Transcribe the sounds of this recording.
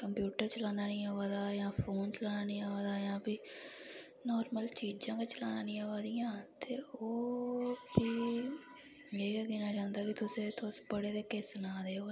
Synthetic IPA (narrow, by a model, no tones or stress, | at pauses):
kəmpjuːʈəɾt͡ʃəlaːnaːnĩːaːʋaːd̪aːjãːpʰoːnt͡ʃəlaːnaːnĩːaːʋaːd̪aːjãːpiː | nɔːɾməlt͡ʃiːd͡ʒãːkat͡ʃəlaːnaːnĩːaʋaːd̪ijãːt̪eːoːbiː | eːkːɡiːnaːd͡ʒãːnd̪aːkɪt̪ʊsẽːt̪oːsbəɽeːd̪eːkesənaːd̪eːoː